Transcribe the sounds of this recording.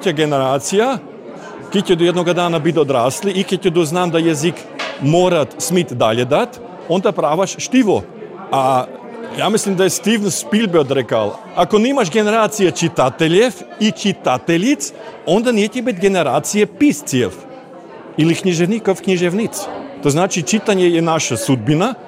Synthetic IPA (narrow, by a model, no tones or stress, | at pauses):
cʲaɡɛnɛɾaːt̪sija | kɛc̪ʲɛd̪ojɛd̪noɡad̪anabit̪od̪ɾasliʔikɛc̪ʲɛd̪ɔznamd̪ajazik | moɾat̪smit̪d̪aʎɛd̪at̪ | ond̪apɾavaʃʃt̪ivo̰ | a | jamislimd̪aɛst̪ivnspilʲbɛt̪ɾɛka̰lˠ | akonɛimaʃɡɛnɛɾat̪sijat͡ʃit̪at̪ɛlɛfit͡ʃit̪at̪ɛlit̪sond̪anɛc̪ʲɛbit̪ɡɛnɛɾat̪sijɛpist̪siɛ̰f | ilikɲiʒɛvnikofkɲiʒɛvnit̪st̪oznat͡ʃit͡ʃit̪aɲɛjɛnaʃasud̪̚bina